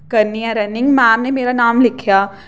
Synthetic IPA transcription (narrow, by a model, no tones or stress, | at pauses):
kɐɾniɛ̃ɾɐnɪ̃ŋɡmɛ̃ːmnemeːɾanaːmlɪkʰjaː